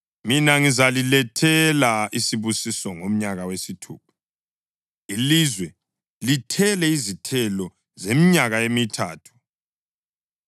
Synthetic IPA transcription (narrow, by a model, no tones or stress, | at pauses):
minaŋizalilɛtʰɛlaisiβusisɔŋom̩ɲaɣawesitʰṵːp̚ʰḁ | ilizwɛ | litʰɛlɛizitʰɛlɔ | zemiɲaɣaemitʰa̰ːtʰu̥